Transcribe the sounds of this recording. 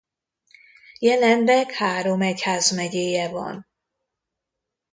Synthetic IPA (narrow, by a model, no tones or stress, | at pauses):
jɛlɛnd̪ɛkhaːɾo̞mɛchaːzmɛɟeːjɛvɒ̰n